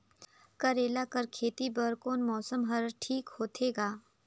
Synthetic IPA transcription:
kɐɾeːlakəɾkʰeːt̪ibəɾkoːnmɔːsəmɦɐɾʈʰiːkhoːt̪ʰeːɡaː

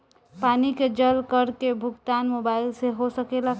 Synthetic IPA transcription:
paniked͡ʒəlkəɾkebʱʊɡt̪anmobailseɦosəkela

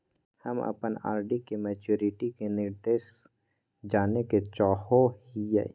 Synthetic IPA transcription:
hə̰mə̰pəna̰ːɾɖikemɛːt͡ʃuːɾɪʈikenɪɾd̪eːs | d͡ʒaːneket͡ʃɔːhohijɛ̰ː

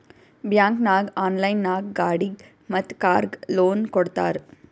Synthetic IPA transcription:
bjãːŋknaːɡaːnlajnːaːɡɡaːɽiɡ | mət̪kaːɾɡloːnkoɽt̪a̰ːɾ

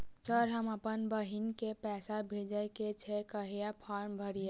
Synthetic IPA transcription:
səɾɦəməpənbəɦinkepɛːsabʱed͡ʒəjket͡ʃʰɛkəɦijapʰaɾmbʱəɾija

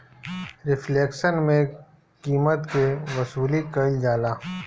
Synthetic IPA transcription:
ɾɪfleːkʃənmẽ | kiːmət̪keʋɐsuːlikɐld͡ʒaːlaː

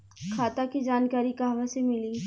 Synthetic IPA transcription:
kʰaːt̪akid͡ʒaːnkaːɾikaɦʋasemɪli

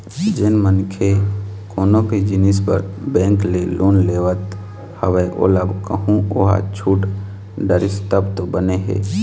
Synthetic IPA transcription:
d͡ʒɪnmənkʰekoːnõked͡ʒɪnispə̰ɾbɛ̃ːŋklelʔoːnleːʋət̪ | həʋəʔo̰ːləbkəɦũoɦa̰t͡ʃʰuːʈ | ɖəɾɪst̪əbt̪obəneɦɛ̰ː

